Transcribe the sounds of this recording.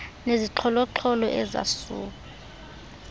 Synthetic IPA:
neziǁʰɔlɔǁʰɔlɔʔɛza̰sṵːk̬ʼu

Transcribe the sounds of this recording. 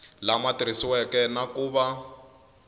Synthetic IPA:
lamatiɾisiwɛkɛnakuːβa

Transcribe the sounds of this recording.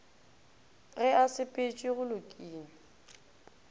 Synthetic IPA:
ɣɛasɪpʼet͡ʃʼiɣʊlʊkʼiːnɪ

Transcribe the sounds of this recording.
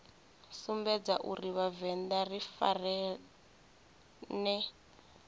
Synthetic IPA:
sumbɛd͡zaʔuriβavɛndarifa̰rɛ | nɛ

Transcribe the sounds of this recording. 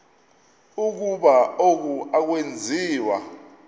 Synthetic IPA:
uk̬uɓaok̬uak̬wend͡zʱiːwa̰

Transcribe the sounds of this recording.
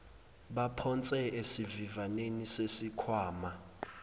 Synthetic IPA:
ɓapʰɔnt͡sʼɛesivivanenisesikʰwaːma

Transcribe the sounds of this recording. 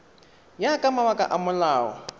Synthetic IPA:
jakʼamawakʼa̰ʔamʊlaːɔ̰

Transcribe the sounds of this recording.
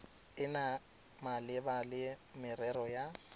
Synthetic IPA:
ɪna | malɪbalɪmɪrɛrɔja

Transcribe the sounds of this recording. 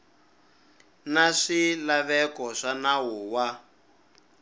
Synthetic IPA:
naʂilaβɛkɔʂanaɦuːwa

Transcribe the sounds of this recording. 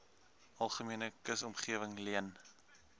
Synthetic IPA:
ɐlˠχəmiənəkəsɔmχiəvəŋliən

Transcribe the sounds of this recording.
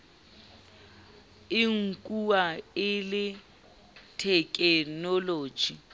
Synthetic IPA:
ɪŋ̩kʼuwaɪlɪ | tʰɛkʼɛnɔlo̥ːd͡ʒ̥ʱi

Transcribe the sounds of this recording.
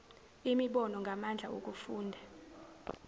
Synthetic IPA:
imiɓɔnɔŋɡʱamand͡ɮʱaok̬ʼufuːndʱa

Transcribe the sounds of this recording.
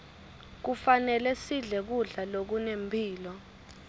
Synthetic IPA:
k̬ufanɛlɛsiɮɛk̬uɮalok̬unempʰiːlɔ

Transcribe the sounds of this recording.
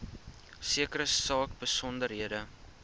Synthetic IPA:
siəkəɾəsɑːkbəsɔndəɾɦiədə

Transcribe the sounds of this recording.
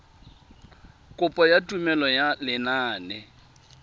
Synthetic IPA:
kʼʊpʼɔjatʼumɛlɔjalɪnaːnɛ

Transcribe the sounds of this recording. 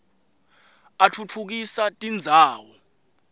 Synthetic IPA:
atʰut͡fʰuk̬isatʼind͡zʱaːwɔ

